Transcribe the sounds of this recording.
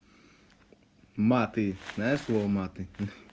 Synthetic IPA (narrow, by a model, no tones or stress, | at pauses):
mat̪inɛsɔmat̪in